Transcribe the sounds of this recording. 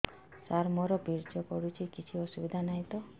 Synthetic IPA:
saɾmoɾɔbʱiɾd͡ʒɔkɔɽut͡ʃʰikit͡ʃʰiɔsubid̪ʱanaɦĩt̪ɔ

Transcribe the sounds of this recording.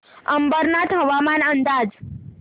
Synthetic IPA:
əmbəɾnat̪ɦəʋamanənd̪ad͡ʒ

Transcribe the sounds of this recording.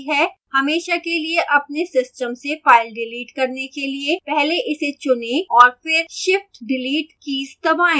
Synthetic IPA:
ɦɛhɐmeːʃakelieʔɐp̚nesɪsʈəmsefaːɪlɖɪliːʈkɐɾnekeliepɛɦleʔɪset͡ʃʊnẽɔːɾfɪɾʃɪfʈɖɪliːʈkist̪ɐbaːẽː

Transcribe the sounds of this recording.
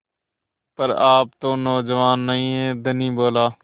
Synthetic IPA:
pəɾaːp̚t̪õːnɔːd͡ʒəʋaːnːəĩːɦeːd̪ʱənĩːboːlaː

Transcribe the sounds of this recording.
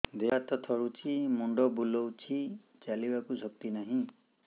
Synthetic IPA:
d̪eat̪ɔt̪ʰɔɾut͡ʃʰimuɳɖɔbulɔwt͡ʃʰi | t͡ʃalibakusɔk̚t̪inaɦĩ

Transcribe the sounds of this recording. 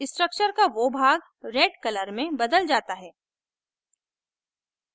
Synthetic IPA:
ɪsʈɾək̚t͡ʃəɾkaʋobʱaːɡ | ɾeːɖkɐləɾmẽbɐd̪əld͡ʒaːt̪aɦɛː

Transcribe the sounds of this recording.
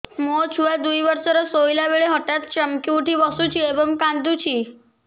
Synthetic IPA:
mot͡ʃʰuʋad̪ujʋəɾsəɾəsojilaʋeɭeɦɔʈjat̪t͡ɕəmkiuʈʰiʋəsut͡ʃʰiebəmkãnd̪ut͡ɕʰi

